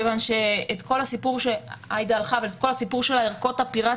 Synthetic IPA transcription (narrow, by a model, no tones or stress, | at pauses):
evanʃe̞ːt̪ko̞lhasipuʁʃea̰jd̪aːlχavelet̪̚ko̞lhasipuʁʃelaeʁko̞tapiʁa